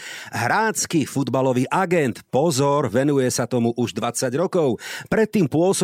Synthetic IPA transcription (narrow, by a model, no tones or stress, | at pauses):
ɦɾaːt͡skifud̪balɔʋiːʔaɡɛnt̪pɔzɔɾʋɛnujɛsat̪ɔmuʔuʒd̪ʋat͡saɟɾɔkɔʊpɾɛt̪ːiːmpʊɔsɔ